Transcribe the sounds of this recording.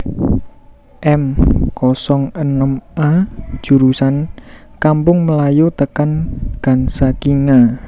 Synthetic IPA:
ʔɛmkɔsɔŋənəmʔḁʒ̥ṳɾusankampʊŋməlajot̪əkanɡ̥a̤nsakiŋa

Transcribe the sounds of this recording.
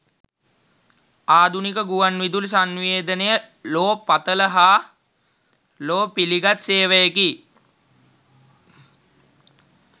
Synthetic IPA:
aːd̪ʱunikəɡuʋanʋid̪uls̬anʋeːd̪ənejə | loːpat̪ələɦaː | loːpiliɡat̪seːʋəjəki

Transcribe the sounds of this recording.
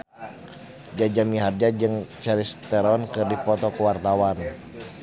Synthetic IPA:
d͡ʒad͡ʒamiɦard͡ʒad͡ʒɨŋt͡ʃɛɾist̪ɛɾɔnkɨrdipɔt̪ɔkuwart̪awan

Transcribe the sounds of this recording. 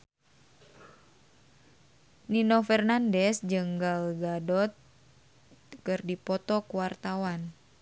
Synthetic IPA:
ninofɛrnandɛsd͡ʒɨŋɡalɡadɔt̪̚ | kɨrdipɔt̪ɔkuwart̪awan

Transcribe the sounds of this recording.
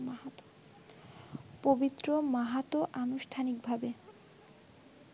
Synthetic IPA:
pobit̪ːɾomaɦat̪oʔanuʃʈʰanik̚bʱabe

